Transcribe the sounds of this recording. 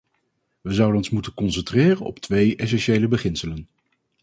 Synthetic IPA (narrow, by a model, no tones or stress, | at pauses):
ʋəzʌwdənɔnsmutənkɔnsɛntrɪːrənɔ̰ptʋejʔɛs̬ɛnʃejləbəχɪnsələn